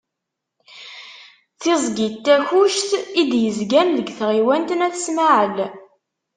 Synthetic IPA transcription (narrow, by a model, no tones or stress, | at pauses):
θɪzˤɡit̪ːæçuʃt̪id̪jəzɡænðəɡθʁiwænt̪ənæθə̥smaʕəl